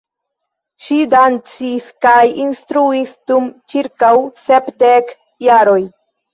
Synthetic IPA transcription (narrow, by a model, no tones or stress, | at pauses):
ʃidant͡siskajinstɾuisd̥umt͡ʃiɾkawsepdek | jaɾo̞j